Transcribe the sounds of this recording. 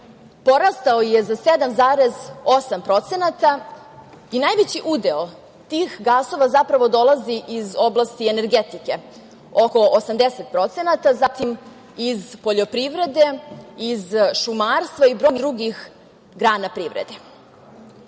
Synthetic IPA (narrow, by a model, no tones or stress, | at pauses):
po̞ɾast̪aojezased̪amzaːɾe̞zosampɾo̞t̪se̞nat̪a | inajʋet͡ɕiʔud̪eo | t̪iːxɡaːso̞ʋazapɾaʋo̞d̪o̞lˠaziʔizo̞blˠast̪iene̞ɾɡet̪ike̞ | o̞ko̞ʔosamd̪eset̪̚pɾo̞t̪se̞nat̪azat̪im | izpo̞ʎo̞pɾiʋɾe̞d̪e̞izʃumaːɾst̪ʋaibɾo̞jnd̪ɾuɡix | ɡɾaːnapɾiʋɾḛd̪e